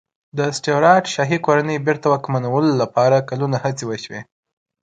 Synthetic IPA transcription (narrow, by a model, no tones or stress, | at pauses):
d̪əsʈeoɾɑʈʃɑɦikoɾanəjbeɾt̪awakmanawəlolapɑɾakalunahat͡sewəʃwe